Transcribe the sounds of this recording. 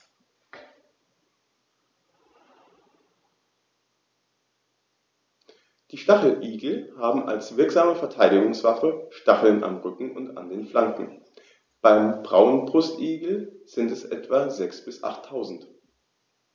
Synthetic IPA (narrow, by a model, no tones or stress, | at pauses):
d̥iːʃtaχl̩ʔiːɡl̩haːbm̩ʔa̰lsv̥ɪɐkz̥aːməfɛɐtʰaɪɾɪɡʊŋsv̥afəʃtaχl̩nʔa̰mʁʏkŋ̩ʊnta̰ndeːnflaŋkŋ̩ | b̥aɪmbʁaʊənbʁʊstʔiːɡl̩z̥ɪntɛsʔɛ̰tv̥azɛksb̥ɪsʔa̰χtʰːaʊzn̩t